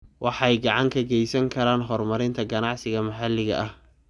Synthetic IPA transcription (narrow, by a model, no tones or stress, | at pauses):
wʔɑħɑɛjɡɑʕɑŋkʰɐɡɛjsɐŋkʰɐɾaːnɦɔrmɐɾɪnt̪ʰɐɡɐnɑʕsɪɣɐmɐħɑlɪɣɐ̰ʔɐh